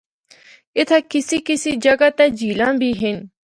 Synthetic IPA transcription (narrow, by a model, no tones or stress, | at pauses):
ɪt̪ʰkɪsikɪsid͡ʒəɡat̪ɛd͡ʒiːlãːbʱiːɦɪn